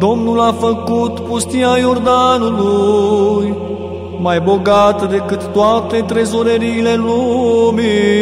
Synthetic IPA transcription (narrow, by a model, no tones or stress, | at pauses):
d̪o̞mnulafəkut̪pust̪iajo̞rd̪anuluj | majbo̞ɡat̪əd̪e̞kɨt̪ːoat̪e̞t̪ɾe̞zoɾeɾiːle̞lumi